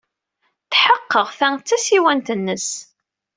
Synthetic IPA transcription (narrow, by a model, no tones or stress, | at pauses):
θħəqːəʁθæŋt͡sːæsiwænt̪ənːəs